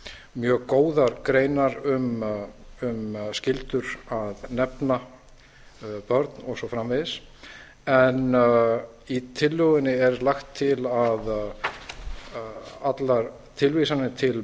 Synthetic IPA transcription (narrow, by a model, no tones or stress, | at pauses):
mjœːɣkoːwðaɾkɾeːjnaɾʏm | ʏmscɪlt̪ʏɾaðnɛpna | pœɾt̪nɔɣsɔfɾamvɪðɪs | ɛn | it̪ʰɪlːʏɣɪnːɪɛɾlaxt̪ʰːɪlað | at̪laɾ̥ | t̪ʰɪlvisanɪt̪ʰɪl